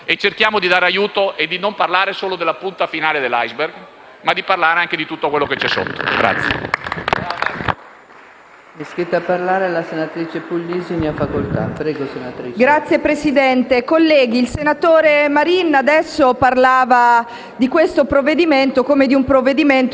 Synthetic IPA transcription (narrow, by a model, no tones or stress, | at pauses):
et͡ʃːerkjaːmod̪id̪aːɾeajuːt̪oʔed̪ːinomparlaːɾesoːlod̪elːapunt̪afinaːled̪elːajzberɡ | mad̪ːiparlaːɾeaŋk̟ed̪it̪ut̪ːokwelːoket͡ʃːɛsːo̰t̪ːo̰ɡɾa̰t̪sːjḛ | miskɾit̪eapːarlaːɾelasenat̪ɾiːt͡ʃepulːiːziniafakolt̪a̰pɾɛːɡosenat̪ɾiɡɾat̪sːjepɾesid̪ɛnt̪ekolːɛːɡiːlsenat̪oːɾemaɾinːad̪ɛsːoparlaːva | d̪ikwest̪opɾoved̪iment̪okoːmed̪iumpɾovːed̪iment̪